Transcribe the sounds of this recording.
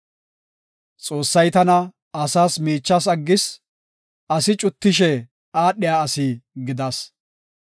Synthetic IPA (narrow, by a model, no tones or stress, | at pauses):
t͡sʼo̞ːsːɐjt̪ɐnɐ | ɐsaːsmiːt͡ʃːɐs̬ɐɡːɪs | ɐsɪt͡ʃʼʊt̪ːɪʃ̬ɛ | aːɗːɪjaːɐsiːɡɪd̪ɐs